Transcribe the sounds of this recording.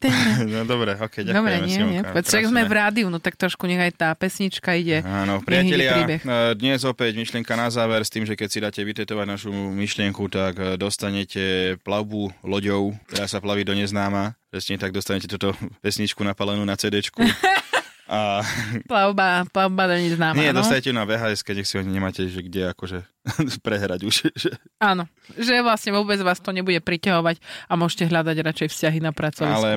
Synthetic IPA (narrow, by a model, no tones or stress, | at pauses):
t̪ɛɛd̪ɔbɾɛɔkɛjad̪ɔbɾɛɲɪɛɛɛɛt͡saɡzmɛvɾaːd̪iunɔt̪ak̚t̪ɾɔʃkuɲɛɣajt̪aːpɛsɲit͡ʃkaiɟɛaːnɔpɾɪaɦɛlɪaɾiːbɛxd̪ɲɛzɔpɛɟmiʃlɪɛŋkanazaːʋɛɾst̪iːmʒɛkɛcsid̪aːcɛʋit̪ɛt̪ɔʋaɟnaʃumiʃlɪɛŋkut̪aɡd̪ɔst̪aɲɛcɛplaʊbulɔɟɔʊt̪ɛd̪aːsaplaʋid̪ɔɲɛznaːmapɾɛsɲɛt̪aɡ̚d̪ɔst̪aɲɛcɛt̪ut̪ɔʋɛsɲit͡ʃkunapalɛnuːnat͡sɛːd̪ɛt͡ʃku | aplaʊbaplaʊbad̪ɔɲɛznaːmɲaɛnd̪ɔssaɲɛcɛt̪unaʋɛːɦaːɛskɛɲɛxsiaɲiɲɛmaːcɛʒɛɡɟɛakɔʒɛ | pɾɛɦɾaɟuʃʒɛaːnɔ | ʒɛʋlasɲɛʋʊɔbɛd͡zʋaːst̪ɔɲɛbuɟɛpɾicaɦɔʋaɟamʊɔʒcɛɦʎad̪aɟɾat͡ʃɛjfscaɦinapɾat͡sɔʋialɛ